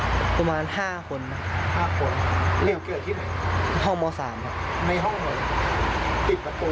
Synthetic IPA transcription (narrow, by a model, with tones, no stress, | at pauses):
pa˧maː˧nhaː˥˩kʰo˧nːa˦˥˩haː˥˩kʰo˧n˧le˧˩wke˧˩t̪ʰiː˥˩na˨˩˦ɦɔ˥˩ŋmɔː˧saː˩˦mkʰa˧˩na˧jɦɔ˥˩ŋmɔː˧˩˧a˨˩p̪i˨˩t̪̚pa˧˩t̪u˧